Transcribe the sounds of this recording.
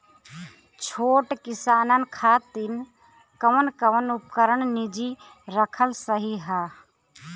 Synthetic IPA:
t͡ʃʰoːʈkɪsaːnənkʰaːt̪ɪn | kəʋənkəʋənʊp̚kəɾəɳnid͡ʒi | ɾəkʰəlsəɦiɦaː

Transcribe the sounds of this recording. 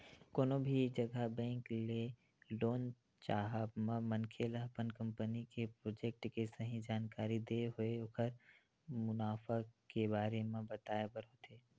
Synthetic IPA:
koːnobʱid͡ʒɐɡʱabɛ̃ːŋkle | loːn | t͡ʃaːɦəbmãmə̃nkʰeːləɦpənkə̃mpənikepɾoːd͡ʒek̚ʈkesɐɦĩd͡ʒaːnkaːɾid̪eɦʊeʊkʰəɾ | mʊnaːfakebaːɾemẽbɐt̪aːebəɾɦot̪ʰeː

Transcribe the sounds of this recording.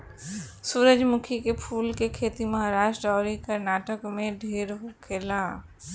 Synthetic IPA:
suːɾəd͡ʒmʊkʰikepʰuːlkekʰeːt̪imɐɦaɾaːʃʈɾɔːɾikəɾnaːʈəkmẽɖʱeːɾɦokʰeːlaː

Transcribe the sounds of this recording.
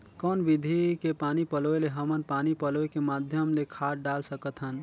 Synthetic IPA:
kɔːnbid̪ʱikepanipəloeleɦəmənpanipəloekemad̪ʱjəmlekʰaʈɖalsəkət̪ɦən

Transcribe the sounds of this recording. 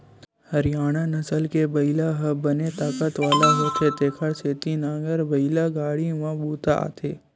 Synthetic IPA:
hɐɾjaːɽ̃anəsəlkebəɪlaɦəbənet̪aːkət̪ʋaːlaɦoːt̪et̪eːkʰəɾseːt̪inãːɡəɾbɐɪlaɡaːɽimãbuːt̪a̰t̪ʰeː

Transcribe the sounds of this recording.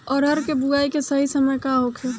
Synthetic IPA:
ɔːɾɦɐɾkebuɡaːikesəɦisəməjkaɦokʰe

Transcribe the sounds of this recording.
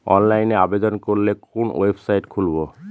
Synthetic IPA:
ɔ̰nlajneabed̪ɔnkoɹilekunwebʰsajtkʰulbɔ

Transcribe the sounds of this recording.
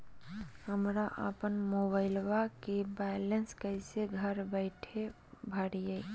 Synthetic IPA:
həmɾaʔə̰pənmobaɪlʋakebɛlənskəɪseɡʱəɾbəɪʈʰe | bʱəɽjə

